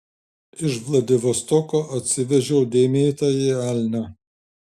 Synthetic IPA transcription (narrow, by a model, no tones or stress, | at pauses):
ɪʃʋlˠɐd̪ʲɪʋost̪ɔkoːʔɐt̪ʲsʲɪʋʲɛʒʲɛʊd̪ʲeːmʲeːt̪ɐjeæːlʲnʲæ